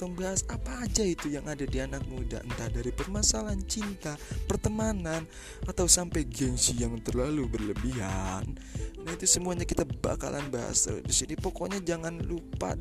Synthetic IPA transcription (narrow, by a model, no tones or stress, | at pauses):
t̪aŋbaɦasapaːd͡ʒait̪ujaŋadadianak̚muda̰ənt̪adaɾipərmasalant͡ʃint̪apərt̪əmanan | at̪awsampajɡɛnsijaŋt̪ərlalubərləbiɦan | naɦit̪usəmuaɲakit̪aba̰ka̰lʔa̰nbaɦa̰sdisinipokoɲad͡ʒaŋanlupa̰